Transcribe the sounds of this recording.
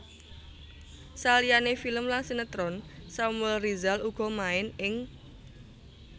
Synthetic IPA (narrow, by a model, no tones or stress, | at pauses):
salijanefiləmlaŋsinət̪ɾɔnsamwɛlrizaluɡ̥ɔ̤maɪnɪŋ